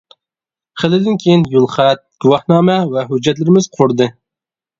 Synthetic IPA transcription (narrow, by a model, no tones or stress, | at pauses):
χəlˠɪd̪ɪnkʲʰejinjulˠχæt̪̚ɡ̥uwɑhnɑːmɛvɛɦud͡ʒːɛt̪̬lɪɾɪmɪzqʰʊɾd̪ɨ